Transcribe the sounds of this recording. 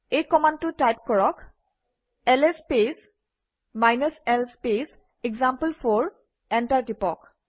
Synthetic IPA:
ejkɔmandtʊtajpkɔɹɔk | ɛlespes | majnəsɛlspes | ɛɡzampəlfʰɔɹ | ɛntaɹtipɔk

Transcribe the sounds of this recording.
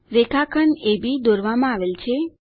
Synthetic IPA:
ɾekʰakʰənebid̪oɾʋamãaʋelt͡ʃʰe

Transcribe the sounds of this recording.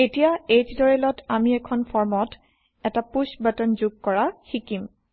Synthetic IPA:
etijaed͡ʒdɔɹɛlɔtamiɛkʰɔnpʰɔɹmɔt | ɛtapusbatɔnzuɡ̚kɔɹaxikim

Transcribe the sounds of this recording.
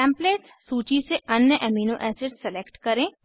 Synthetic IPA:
ɛ̃ːmpleːʈssuːt͡ʃiseɐnjəʔɛːmiːnoʔɛːseːʈsɛleːkʈkɐɾẽː

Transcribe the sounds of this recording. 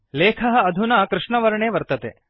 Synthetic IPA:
leːkʰɐɦɐ̆ɐd̪ʱunɐkɾɪʂɳɐʋɐɾɐɳeːʋɐɾt̪ɐt̪ḛː

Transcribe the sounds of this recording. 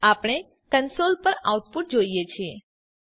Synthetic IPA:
apɽ̃e | kənsolpəɾa̰wʈ̚puʈ̚d͡ʒoijet͡ʃʰie

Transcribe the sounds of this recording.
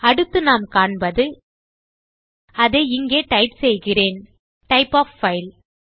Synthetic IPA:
ɐɽɯt̪ːɯnaːmkaːɳbɐðɯ | ɐðeːɪŋɡeːʈɐɪpsɛjɣɪreːn | ʈɐɪpːaːfːɐɪl

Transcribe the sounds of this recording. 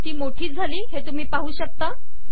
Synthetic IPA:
t̪iːmoʈʰiːt͡sd͡zʱaliːɦet̪um̤iːpaɦuːɕək̚t̪a

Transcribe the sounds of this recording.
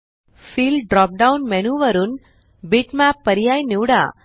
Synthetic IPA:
fiːlɖɾɔːp̚ɖaʊnmɛnuːʋɐɾun | biʈmaːpːɐɾɪjaːjniʋɽa̰ː

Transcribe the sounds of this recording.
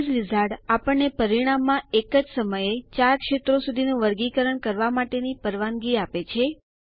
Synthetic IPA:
zʋizʱaɽapəɳːepəɾiɽ̃amːãekəd͡ʒsəməjet͡ʃaɾkʃet̪ɾosud̪ʱinũʋəɾɡikəɾəɳkəɾʋamaʈenipəɾʋanɡiapet͡ʃʰe

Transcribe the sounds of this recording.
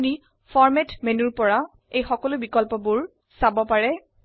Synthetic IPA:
ni | fɔɹmɛtmenuɹpɔɹa | ejxɔkɔlʊbikɔlpɔbuɹ | sabɔpaɹɛ

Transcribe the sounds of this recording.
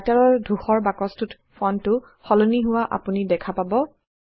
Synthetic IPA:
taɹɔɹdʱuxɔɹbakɔstut | fɔntʊ | xɔloniɦʊwaʔa̰punidɛkʰapabɔ

